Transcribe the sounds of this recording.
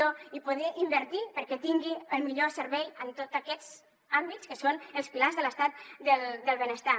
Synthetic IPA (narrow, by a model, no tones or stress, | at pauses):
oipuðɛʔimbəɾt̪ipəɾkɛt̪iŋɡiəlˠmiʎosəɾβɛjənt̪ot̪əkɛz | ambit̪skəsonəlˠspilazðələst̪at̪̚d̪əld̪əlˠβənəst̪a